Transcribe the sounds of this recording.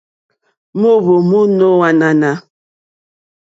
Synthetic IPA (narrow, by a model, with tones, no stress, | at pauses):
mu˦βo˨mu˦no˦wa˨na˨na˨